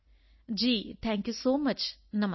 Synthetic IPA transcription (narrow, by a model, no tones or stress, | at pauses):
d͡ʒiːt̪ʰɛ̃ːŋkjusoːmɐt͡ʃnɐm